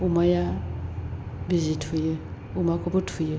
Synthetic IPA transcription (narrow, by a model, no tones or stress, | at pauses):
umaja | bizitʰuje | umakɔbutʰuje